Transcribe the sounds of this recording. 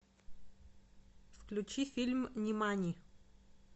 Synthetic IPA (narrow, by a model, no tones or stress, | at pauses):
fklʲʉt͡ɕifʲilʲmnʲɪmanʲi